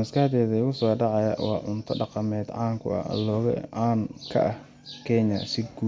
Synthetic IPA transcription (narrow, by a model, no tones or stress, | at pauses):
mɐskɐhd̪ɛːðɐʊɣʊsɔːɖɑʕɑjɐ̰wɑːʕʊnt̪ʰɐɖɑqɑmɛːd̪ʕɑːŋkʰʊ̰ɐ̰lɔːɣɐ̰ʕɑːnkʰɐ̰ʔɐh | kʰɛɲɐsɪɡuː